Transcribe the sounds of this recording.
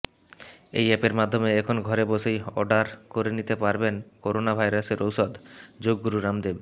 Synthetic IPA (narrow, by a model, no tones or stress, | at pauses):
ḛjɛpeɾmad̪ʱːomeɛkʰonɡʱɔɾeboʃejɔ̰ɖaɾkoɾenit̪epaɾbenkoɾonabʱajɾaseɾowʃɔd̪d͡ʑoɡːuɾuɾamd̪eb